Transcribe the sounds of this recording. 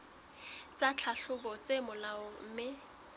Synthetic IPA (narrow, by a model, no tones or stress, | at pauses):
t͡sʼat͡ɬʰaɬʊbɔt͡semʊlaʊŋ̩ːmɪ